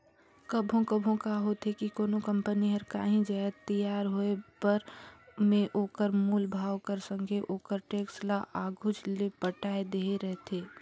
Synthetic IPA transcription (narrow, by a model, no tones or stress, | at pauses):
kəbʱõkəbʱõkaɦot̪ɦekikoːnokə̃mpəniɦəɾka̰ːɦĩd͡ʒaːət̪əjaːɾɦoepəɾmẽʔoːkəɾmuːlbʱaːwkəɾsə̃ŋɡʱeʔoːkəɾʈeːkslaʔaːɡʱʊd͡ʒlepəʈaːed̪eːeɾɛɦt̪ʰeː